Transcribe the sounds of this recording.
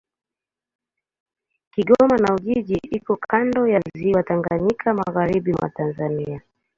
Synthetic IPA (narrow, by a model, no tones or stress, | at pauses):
kiɠɔmanauʄiʄiʔikɔkʰandɔjazziwataŋɡaɲikʰama̰ɣaɾiɓimwa̰tanzania